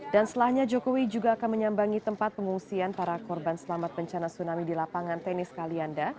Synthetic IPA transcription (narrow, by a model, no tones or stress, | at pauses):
dansət̪əlahɲad͡ʒokowid͡ʒuɡaːkanməɲambaŋit̪əmpat̪̚pəŋuŋsianpaɾakɔrbansəlamat̪̚bəɲt͡ʃanasunamidilapaŋant̪ɛnɪskalianda